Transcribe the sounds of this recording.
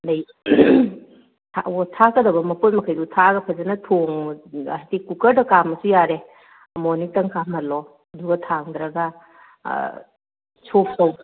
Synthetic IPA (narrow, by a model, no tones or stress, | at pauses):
nɐj | tʰa̰otʰakɐdɐbɐmɐpojmɐkʰajdutʰaɡɐpʰɐzɐnɐtʰoŋ | tikukɐɾdɐkamɐsujaɾe | ɐmɔnitɐŋkʰamɐlɔ | ɐduɡɐtʰaŋd̪ɾɐɡɐ | sopʰtow